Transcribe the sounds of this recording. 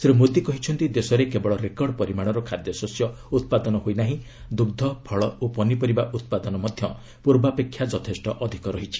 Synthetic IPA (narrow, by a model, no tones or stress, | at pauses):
seɾumot̪ikɔɦit͡ʃʰɔnt̪id̪esɔɾekebɔɭɔɾekɔɾɖpɔɾimaɽ̃ɔɾɔkʰad̪jɔsɔsjɔ | ut̪̚pad̪ɔnɔɦoinaɦĩ | d̪uɡd̪ʱɔbʱɔɭɔopɔnipɔɾibaʔut̪̚pad̪ɔnɔmɔd̪ʱjɔ | puɾbapekʰːjad͡ʒɔt̪ʰesʈɔʔɔd̪ʱikɔɾɔɦit͡ʃʰi̥